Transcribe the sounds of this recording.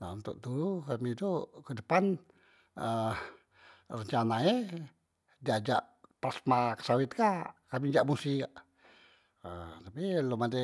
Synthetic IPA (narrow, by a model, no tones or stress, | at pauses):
na̰unt̪ṵkʔ̚t̪uɾukamit̪ukədəpan | ə | rəɲt͡ʃanae | diad͡ʒaʔpasmakə̥sawɪt̪̚kaʔkamid͡ʒaʔmusikaʔ | ət̪apilomade